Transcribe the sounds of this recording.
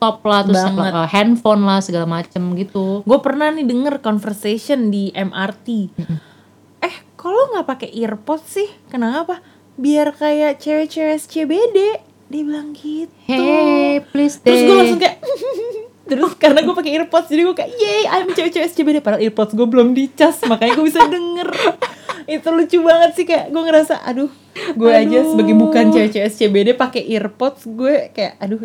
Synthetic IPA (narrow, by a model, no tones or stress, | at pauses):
t̪ɔp̚laht̪ɾʊləhɛnfɔnlahsəɡalamat͡ʃəmɡit̪uɡuapərnahnidəŋərkɔnfərsesiɔndiʔɛmʔart̪i | ʔɛhkaloŋɡapakeʔirpɔt̪̚sɪhkənakapa | biarkajaʔt͡ʃɛwɛt͡ʃɛwɛst͡ʃebede | dibilaŋɡit̪hɛplist̪əɾʊsɡuɛlasʊŋka | t̪əɾʊskaɾənaɡuepakeirpɔt̪̚sd͡ʒadiɡuekajaʔjaaməɲt͡ʃaɾit͡ʃɛɾɛst͡ʃebedepadalirpɔt̪̚sɡuɛbəlʊmdit͡ʃasmakaɲaɡuebisadəŋər | it̪ulut͡ʃubaŋət̪̚sɪhkajaʔɡueŋəɾasa̰ʔa̰dʊh | ɡuead͡ʒasəbaɡajbukant͡ʃɛɾɛt͡ʃɛɾɛst͡ʃebedepakeʔirpɔt̪sɡuekaja̰ʔadʊh